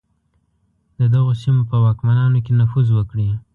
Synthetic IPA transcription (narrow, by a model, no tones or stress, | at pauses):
d̪əd̪aɣosimopəwɑkmanɑnokenafuzwəkɽi